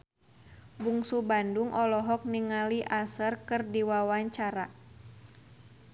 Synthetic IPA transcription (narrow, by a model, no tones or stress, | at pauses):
buŋsubanduŋʔɔlɔɦɔk̚niŋaliʔasərkɨrdiwawaɲt͡ʃaɾa